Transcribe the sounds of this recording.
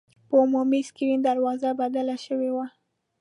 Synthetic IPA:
pəʊmumiskiɾind̪aɾwɑzabad̪alaʃəwewa

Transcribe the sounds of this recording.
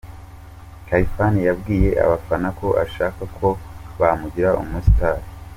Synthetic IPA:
kaifanijabɡiːje̞ʔa̰βafanako̞ʔa̰ʃaːkakʰo̞βamuɟiɾaʔṵmustʰaːɾi

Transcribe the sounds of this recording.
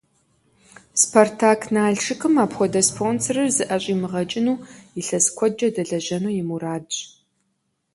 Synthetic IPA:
spʰortʰaːkʰnaːɮʂɨkʰɨmaːpxʷɔdɐspʰoːnsɐrɐrzɨʔɐɕʷʼiːmɨʁɐt͡ʃʼɪnuːɪɬɐskʷʰɔd͡ʒɐdɐɮɐʑɐnuːjɪmuraːdʼ

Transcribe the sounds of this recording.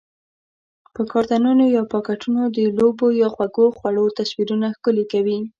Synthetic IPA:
pəkɑɾd̪anunojɑpɑkaʈunod̪əlobojɑxwaɡoxwaɽot̪aswiɾunaxkəlekawi

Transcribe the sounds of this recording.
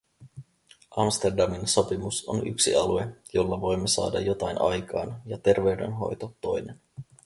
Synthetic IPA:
ʔɑmst̪erdɑminso̞pimuso̞̰ny̰ksḭɑluejo̞lːɑʋo̞jmːesɑ̰ːdɑ̰jo̞t̪ɑjnʔɑ̰jkɑːnjɑt̪e̞rʋe̞wde̞̰nɦo̞̰jt̪ot̪o̞jne̞n

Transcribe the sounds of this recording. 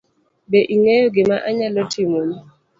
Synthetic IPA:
beʔiŋejoɡɪmaʔaɲalɔtʰimuɲi

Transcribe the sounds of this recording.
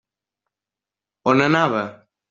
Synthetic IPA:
onə̃nãβə

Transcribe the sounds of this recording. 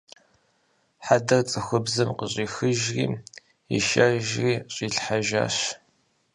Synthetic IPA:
ħadɐrt͡sʼɨxʷʊbzɨmqəɕʼiːxɨʒrḭː | ḭʃɐʒriːɕʼiːɬħaʒa̰ːɕ

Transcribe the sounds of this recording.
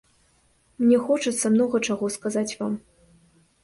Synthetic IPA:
mnʲɛxɔt͡ʂɨt̪sːɐmnɔɣɐt͡ʂaɣɔskazat͡sʲvam

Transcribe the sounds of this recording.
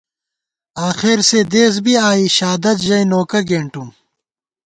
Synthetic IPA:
aːxeɾsed̪eːs̬biaːiɕaːd̪ɐt̪ʑɐjnoːkɐɡeːɳʈum

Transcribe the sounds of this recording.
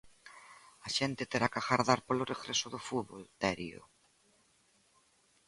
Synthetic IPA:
ɐʃent̪ɪt̪eɾakaɣaɾðaɾpolʊreɣɾesʊðʊfuβolt̪ɛɾio̰

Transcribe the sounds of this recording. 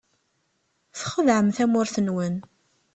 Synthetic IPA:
θχəðʕəmθæmʊɾθənwən

